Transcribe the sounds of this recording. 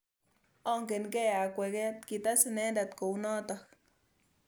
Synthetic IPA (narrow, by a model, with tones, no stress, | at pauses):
o˦ŋke˨nke˦a˨kʷe˨ɡe˦t̪ki˨t̪a˦se˧ne˦nɾa˨t̪ko˨wno˦t̪a˧k